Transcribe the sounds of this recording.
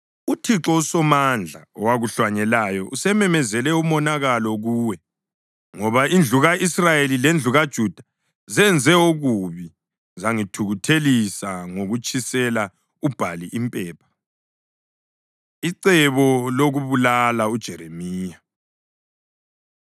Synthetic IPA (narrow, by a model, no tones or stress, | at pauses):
utʰiǁɔusɔmand͡ɮʱa̰ɔwaɣuɬwaɲɛlajɔʔusɛmɛmɛzɛlɛumɔnaɣalɔɣuːwɛ | ŋɔβaind͡ɮʱuɣaʔisrajelilend͡ɮʱuɣad̥ʒ̥ʱud̥ʱa | zɛnd͡zʱɛuɣuβi | zaŋitʰuɣutʰelisaŋoɣut͡ʃʼisɛla | ub̥ʱaliʔimpʼɛːpʰḁ | iǀɛβɔloɣuβulalaud̥ʒ̥ʱɛɾemiːja